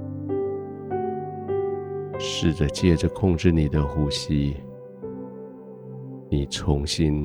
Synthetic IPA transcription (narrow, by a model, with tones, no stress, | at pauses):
ʂɻ̩˥˩d̪ə˨˩t͡ɕjɛ˥˩ʈ͡ʂə˨kʰʊ˥˧ŋʈ͡ʂɻ̩˥˩ni˨˩d̪ə˦xu˥ɕi˦ | ni˨˩t͡sʰʊ˧˦ŋɕi˦n